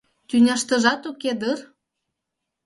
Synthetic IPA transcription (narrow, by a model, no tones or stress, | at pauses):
t̪ʲynʲɑʃt̪ə̆ʒɑt̪uked̪ər